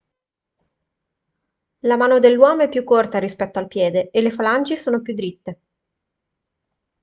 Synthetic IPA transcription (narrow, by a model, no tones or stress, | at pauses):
lamaːnod̪elːwɔːmoɛpːjukːort̪aɾispɛt̪ːoalpjɛːd̪eelːefalant͡ʃesoːnopjud̪ːɾit̪ːe